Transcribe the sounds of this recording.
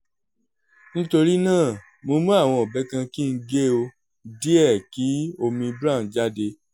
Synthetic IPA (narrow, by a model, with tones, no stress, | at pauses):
nĩ˦to˧ɾi˦nãː˦˨ | mo˧mũ˦a˦˨w̃ɔ̃˧ɔ˨bɛ˨˦kã˧ki˦n̩˦ɡe˦o˧ | di˦ɛ˦˨ki˨˦o˧mĩ˧bɾa˦˨˦d͡ʒa˦de˧